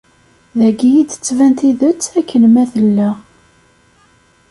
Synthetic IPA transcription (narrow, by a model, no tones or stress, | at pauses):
ðæɡijit͡s̪ːə̥t͡sːvænt̪iðət͡sːækːənmæθəlːæ